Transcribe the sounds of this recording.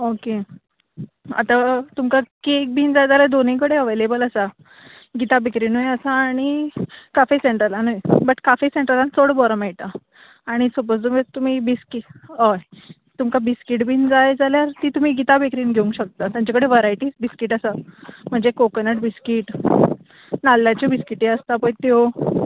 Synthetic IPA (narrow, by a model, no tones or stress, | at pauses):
oke | a̰t̪at̪umkakek̚bʱiːnd͡zajd͡zalad̪onĩkəɽeəʋelebələsa | ɡit̪abʱekɾiːnujəsaːɽ̃ikafiseɳʈɾəlanujbəʈkafiseɳʈɾəlansoɽbɔɾəmajʈaː | ɽ̃isopost̪umt̪um̤iːbiskiʈɦəj | t̪umkabiskiʈbʱind͡zajd͡zaljaɾt̪iːt̪um̤iːɡit̪abekɾiːnɡʱeũŋkɕək̚t̪at̪jãɲt͡ɕakəɽeʋəɾajʈiːsbiskiːʈəsam̤əɳd͡zekokənəʈbiskiːʈ | nalːjat͡ɕabiskiʈiəst̪apəɳt̪eo